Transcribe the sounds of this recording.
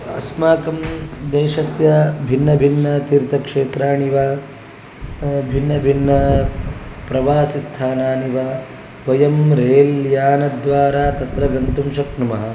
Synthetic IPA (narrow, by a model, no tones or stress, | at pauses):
ɐ̰smaːkɐmd̪eːʃɐsjɐbʱinːɐbʱinːɐt̪iɾt̪ɐkʂeːt̪ɾaːɳiʋaː | bʱinːɐbʱinːɐ | pɾɐʋaːsist̪ʰaːnaːniʋaː | ʋɐjɐmɾeːljaːnɐd̪ʋaːɾaːt̪ɐt̪ɾɐɡɐnt̪umʃɐknumɐɦɐ